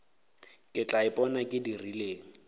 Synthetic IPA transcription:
kʼɪt͡ɬʼaɪpʼɔnakʼɪdirileːŋ̩

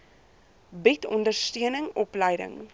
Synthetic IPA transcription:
bitʰɔndərstyənəŋɔpləjdə̰ŋ

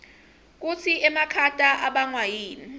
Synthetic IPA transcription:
k̬ut͡sʰiʔɛmakʰatʼaʔaɓaŋwajiːni

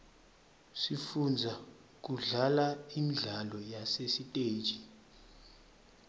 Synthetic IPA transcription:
sifund͡zʱa | k̬uɮalaimɮalɔjasesitʼe̥ːt͡ʃʼi

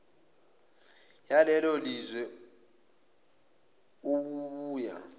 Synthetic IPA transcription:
jalɛlolizwɛ | uɓuβuːja̰

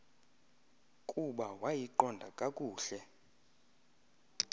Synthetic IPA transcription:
kʼuɓawajiǃɔndʱa̰kʼakʼuːɬɛ

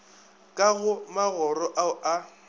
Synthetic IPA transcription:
kʼaɣʊmaɣɔrɔʔaʊʔa

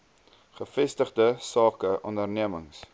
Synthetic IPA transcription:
χəfɛstəχdəsɑːkəʔɔndərniəməŋs

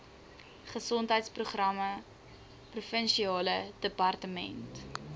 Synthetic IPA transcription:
χəsɔntɦəjtspruχrɐmə | prufənʃiɑːlədəpɐrtəmɛ̰nt

